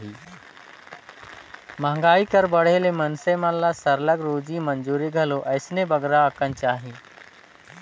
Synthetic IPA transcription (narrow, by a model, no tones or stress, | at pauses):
i | məŋɡaːikəɾbəɽ̤elemənseməlːasəɾləɡɾoːd͡ʒimə̃nd͡ʒuːɾiɡʱəloʔɐɪsnebəɡɾaəkənt͡ʃaːɦiː